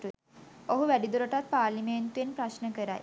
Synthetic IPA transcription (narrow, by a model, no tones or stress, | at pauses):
ʈue | oɦuʋæɖid̪uɾəʈat̪̚paːɾliment̪uʋenpɾaʃnəkəɾa̰j